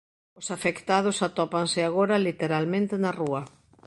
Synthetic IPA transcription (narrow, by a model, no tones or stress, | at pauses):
ʊsafekt̪að̞ʊsat̪ɔpaŋsɪaɣoɾɐlit̪eɾalmẽnt̪ɪnɐruɐ